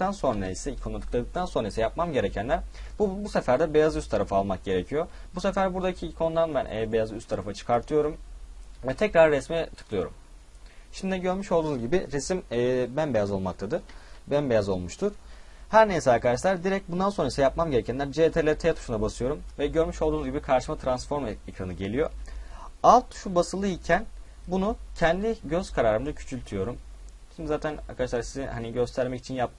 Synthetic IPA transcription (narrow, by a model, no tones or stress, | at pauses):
t̪anso̞nɾaaisɛikʰonat̪ɯ̥klˠad̪ɯk̚t̪ʰanso̞nɾaisɛjap̚mamɟe̞ɾecʰænlʲæɾbubusefæɾd̪ɛbe̞jazyst̪ʰːaɾafɯalˠmak̚ɟe̞ɾecʰijo̞busefæɾbuɾd̪acʰiːkʰo̞nd̪anbænʔɛbejazy̰st̪ʰːaɾafat͡ʃʰɯ̥kʰaɾt̪ʰɯjo̞ɾumvɛt̪ʰɛcɾaɾːɛsmit̪ʰɯ̥kʰlˠɯjo̞̰ɾṵm | ʃimd̪id̪ɟø̞ɾmyʃo̞lˠd̪uːnzɟibiɾɛsimːbænbejazo̞lˠmak̚t̪ʰad̪ɯɾ̥bænbe̞jazo̞lˠmuʃt̪ʰuɾ̥ | hæɾnejisɛaɾkʰad̪aʃ̬lˠaɾd̪iɾɛc̚bund̪ansoɾaisɛjapmamɟeɾecʰænlʲæɾd͡ʒet̪ʰelʲeɾit̪ʰejt̪ʰu̥ʃunabasɯjo̞ɾumvɛɟø̞ɾmyʃo̞lˠd̪uːnzɟibikʰaɾʃɯmat̪ʰɾansfo̞ɾmekɾanɯɟe̞lʲijo̞̰ | alˠt̪ʰːu̥ʃubasɯlˠɯicʰæn | bunucʰɛnd̪iɟø̞z̥kʰaɾaːɾɯmd̪acʰy̥t͡ʃʰylʲt̪ʰyjo̞ɾum | ʃimd̪izaːt̪ʰæna̰ɾkʰad̪aʃlˠaɾsizinhaniɟø̞st̪ʰæɾmɛci̥t͡ʃʰinjap̚t̪ʰɯ